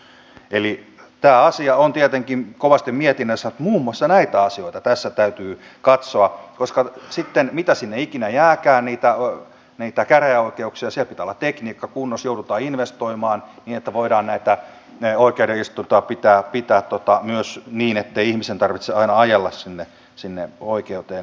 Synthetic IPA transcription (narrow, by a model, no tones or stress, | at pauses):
ʔeli | t̪æːɑsiɑont̪iet̪eŋkimkoʋɑst̪immiet̪inːøsːænut̪muːmuɑsːɑnæit̪æɑsioit̪ɑt̪æsːæt̪æyt̪yːkɑt̪soɑkoskɑsit̪ːenmit̪æsinːeikinæjæːkæːnniːt̪æ | niit̪ækæreæoikeuksiɑsielpit̪æolːɑt̪t̪ekniːkːɑkunːosjoudut̪ɑːinʋest̪oimɑːnniːnet̪ːæʋoidɑːnnæit̪æ | oikeudeist̪unt̪ɑpit̪æːpit̪æːt̪t̪ot̪ɑmyøsniːnet̪ːeiihmisent̪ɑrʋit̪seɑinɑɑjelːɑssinːe | sinːḛoikeut̪eːn